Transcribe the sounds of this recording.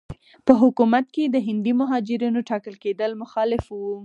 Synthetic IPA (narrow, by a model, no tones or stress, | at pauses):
pəɦʊkumat̪̚ked̪əɦɪnd̪imʊɦɑd͡ʒɪɾinoʈɑkəlked̪əlmʊxɑlɪfwu